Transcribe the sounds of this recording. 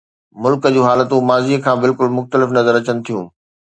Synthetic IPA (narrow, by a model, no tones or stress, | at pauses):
mʊlkəd͡ʑuːɦaːlət̪ũmaːziːkʰãːbɪlkʊlmʊxt̪əlɪfnɐzəɾɐt͡ɕənɪ̆t̪ʰijũː